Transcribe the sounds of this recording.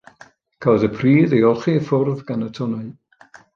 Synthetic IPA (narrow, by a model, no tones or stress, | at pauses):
kʰawðəpʰriːðeɔlˠχiəfʊrðɡanətʰɔna